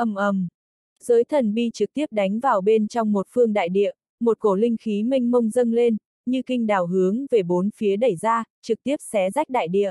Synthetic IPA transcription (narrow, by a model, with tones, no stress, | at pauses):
ʔə˧˩mʔə˨˩m | z̥əː˨˦jt̪ʰə˨˩nɓi˧t͡ɕɨ˨˩k̚t̪i˦˥əp̚ɗa˨˦jŋ̟vaː˨˩wɓe˧nt͡ɕɔ˧wŋ͡mmo˨˩t̚fɨ˧əŋɗa̰ː˧˨jɗḭ˧˨ə | mo˨˩t̚ko˧˩lï˧ŋ̟xi˨˦mi˧ŋ̟mə˧wŋ͡mzə˧nle˧n | ɲɨ˧kï˧ŋ̟ɗaː˨˩wɦɨ˨˦əŋve˨˩ɓo˨˦nfi˨˦əɗə˧˩jzaː˧t͡ɕɨ˨˩k̚t̪i˦˥əp̚sɛ˨˦za˦˥jk̟̚ɗa̰ː˧˨jɗḭ˧˨ə